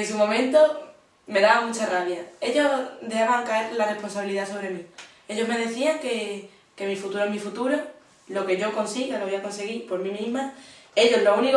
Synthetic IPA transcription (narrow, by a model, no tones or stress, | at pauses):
nsumõ̞mẽ̞nt̪o | me̞ðaβaŋmut͡ʃaraβjae̞ʎo̞d̪ehaβaŋkae̞ɾlare̞hpo̞nsaβiliðaso̞βɾe̞mĩ | e̞ʎo̞ɦme̞ðe̞θiaŋke̞ | ke̞mifut̪uɾomifut̪uɾo | lo̞ke̞ʝo̞ko̞nsiɣaloβiako̞nse̞ɣipo̞ɾmĩmĩɦmae̞ʎo̞zlounik